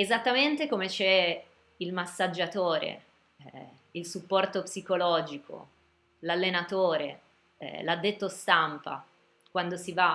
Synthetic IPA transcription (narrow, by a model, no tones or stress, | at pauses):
ezat̪ːament̪ekomet͡ʃɛ | ilmasːad͡ʒːat̪oːɾḛ | ilsupːɔrt̪opsikolɔːd͡ʒiko̰ | lalːenat̪oːɾḛ | lad̪ːet̪ːost̪ampa̰ | kwand̪osiva